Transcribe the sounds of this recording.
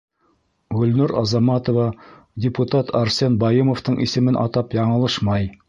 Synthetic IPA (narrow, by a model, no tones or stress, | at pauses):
ɡɵ̆lnʉɾɑ̰zɑmɑt̪ovɑ | dʲɪput̪at̪ʰɑɾsʲenbɑjɤmŏft̪ɤɴʔisɘ̆mɘnʔɑ̰t̪ɑpjɑɴɤ̆lˠɤʃmɑj